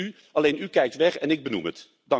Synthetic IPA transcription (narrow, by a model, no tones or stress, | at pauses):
y | ɑlejnykɛjk̚tʋɛχɛnɪɡ̚bənṵmət | dɑ